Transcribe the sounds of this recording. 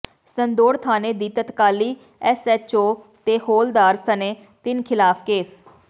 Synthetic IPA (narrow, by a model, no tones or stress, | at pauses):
sənd̪oːɾt̪ʰaːneːd̪iːt̪ət̪kaːliː | ɛsɛt͡ʃoːt̪eːhoːld̪aːɾsəneː | t̪ɪnkʰɪlaːpʰkeːs